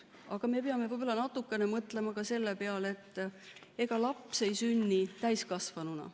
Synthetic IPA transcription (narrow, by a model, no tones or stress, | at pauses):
ɑɡ̥ɑme̞peɑme̞vɤjb̥ɑlːɑnɑt̪ːukːˑe̞nemɤt̪ˑle̞mɑkɑse̞lːepeɑle̞t̪ːˑ | e̞ɡ̥ɑlɑpse̞jsynʲːit̪æjskɑsvɑnunɑ̰